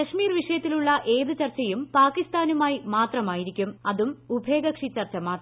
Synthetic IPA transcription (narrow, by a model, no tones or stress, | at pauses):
ɐʂmiːrʋiʂɐjɐt̪ːiluɭːɐʔe̞ːðɨt͡ɕɐrt͡ɕːɐjumpaːkist̪aːnumaːjimaːt̪rɐmaːjiɾikʲːumɐðumubʱe̞ːɡɐkʂit͡ɕːɐrt͡ɕːɐmaːt̪rɐ